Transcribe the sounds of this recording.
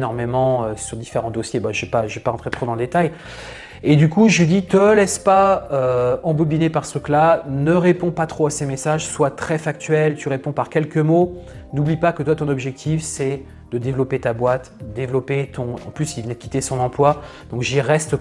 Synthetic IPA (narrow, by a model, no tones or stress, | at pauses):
nɔʁmemɑ̃øsyʁd̪ifeʁɑ̃d̪osjebaʒɛpaʒvɛpaʁɑ̃t̪χet̪χod̪ɑ̃ləd̪et̪aj | ed̪ykuʒid̪it̪əlɛspaøɑ̃bubinepaʁst̪ʁyklanəʁepɔ̃pat̪χoasemesaʒswat̪χɛfak̚t̪ɥɛlt̪yʁepɔ̃paʁkʲɛlkəmo | nublipakət̪wat̪ɔ̃nɔbʒɛk̚t̪ʰifsɛ | d̪̥əd̪evlɔpet̪abwat̪d̪evlɔpet̪ʰɔ̃ɑ̰̃plysilvənɛd̪əkʲi̥t̪esɔ̃nɑ̃plwad̪ɔ̃kʒiʁɛst̪